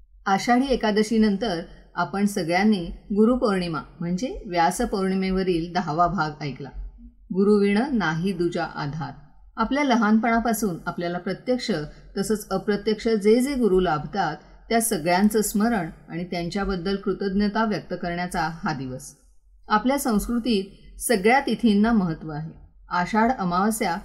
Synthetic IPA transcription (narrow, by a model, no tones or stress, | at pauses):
əɕaɽiːekad̪əɕiːnənt̪əɾ | apəɳsəɡɭjanːiːɡuɾupəɾɳimam̤əɳd͡zeʋjasəpəɾɳimeʋəɾiːld̪aʋabʱaɡəjkla̰ | ɡuɾuʋiɳənaɦiːd̪ud͡ʑaʔa̰d̪ʱaɾ | apljaləɦanpəɳ̃apasuːnapljalapɾət̪jəkʂə | t̪əsəːt͡səpɾət̪jəkʂəd͡zed͡zeɡuɾulabʱt̪at̪ːjasəɡɭjãnt͡səsməɾəɳaɽ̃it̪jaɲt͡ɕjabəd̪ːəlkɾut̪əd̪njət̪aʋjək̚t̪əkəɾɳjat͡saɦad̪iʋəs | apljasə̃w̃skɾut̪iːt̪səɡɭjat̪it̪ʰinːaməɦət̪ːʋəaɦe | aɕaɽəmaʋsja